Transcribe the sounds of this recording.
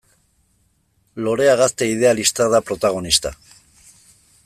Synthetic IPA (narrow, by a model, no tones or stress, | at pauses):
lo̞ɾe̞aɣ̞ast̪e̞ið̞e̞alist̪aðapɾo̞t̪aɣ̞o̞nist̪a